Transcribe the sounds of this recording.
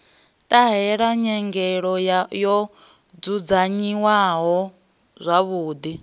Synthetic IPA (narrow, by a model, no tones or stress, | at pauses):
tʼaɦɛɺaɲɛŋɡɛɺɔjɔ | d͡zud͡zaɲiwaɦɔ | zʷaβuːd̪i